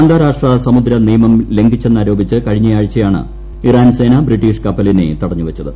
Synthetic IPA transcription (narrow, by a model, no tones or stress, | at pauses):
aːnd̪aːɾaːʂʈrɐsɐmud̪ɾɐnijɐmɐmle̞ŋɡit͡ɕːe̞nːaːɾoːbit͡ɕːɨkɐɻiɲːɐjaːɻit͡ɕːɐjaːɳɨ̰ | iraːnse̞ːnɐbriʈːiːʂkɐpːɐlinḛt̪ɐɽɐɲːuʋɐt͡ɕːɐðɨ